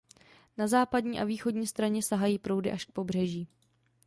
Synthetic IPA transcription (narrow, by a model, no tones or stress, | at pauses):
nazaːpadɲiːʔaviːxo̞dɲiːst̪ɾaɲɛsaɦajiːpɾo̞wdɪʔaʃk̚po̞br̝ɛʒiː